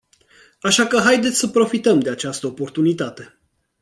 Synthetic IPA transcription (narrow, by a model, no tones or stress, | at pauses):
aʃakəɦajd̪et̪sʲsəpɾo̞fit̪əmd̪e̞at͡ʃast̪əopo̞rt̪unit̪at̪e̞